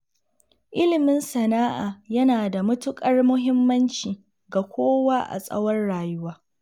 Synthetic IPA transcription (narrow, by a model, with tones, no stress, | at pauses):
ʔɪ˦lɪ˨mɪ˦nsɐ˨naː˦ʔaː˨jɐ˦naː˨da˨mʊ˦tʊ˦kʼɐ˦rmʊ˦ɦɪ˦mːɐ˦nt͡ʃiː˨ | ɡa˨kʷʰoː˦waː˦ʔa̰˨sʼɐ̰˦wɔ˦rɽaː˨jʊ˦waː˦